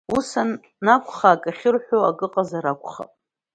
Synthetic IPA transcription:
usanː | akʷʰʼχaːkʼaχʲɪrħʷᶣoakʼɨqʼazaɾakʷʰʼχa̰pʼ

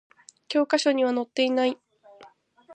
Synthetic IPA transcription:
kʲo̞ːkaɕo̞ɲ̟iβ̞ano̞t̪ːe̞inai

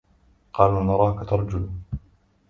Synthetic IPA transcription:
qɑːlnɑɾˤɑːkat̪ɑɾˤɑd͡ʒʊl

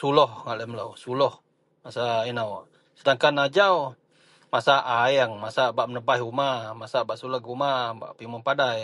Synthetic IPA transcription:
sulɔhŋaʔləmla̰wsulɔh | masainaw | sədaŋkanad͡ʒaw | masaʔajŋmasabaʔmənəbajumamasabaʔsulɔhɡumaba̰ʔpimɔnpadaj

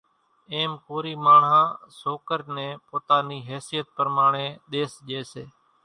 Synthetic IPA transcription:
eːmkoːɾiːmaːɳ̤ɦãːsoːkəɾnẽːpoːt̪aːniːɦeːsijət̪̚pəɾmaːɳẽːɗ̪eːsʄeːseː

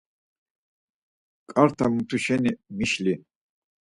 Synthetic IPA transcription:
kʼaɾt̪ʰamut̪ʰuʃɛnimiʃli

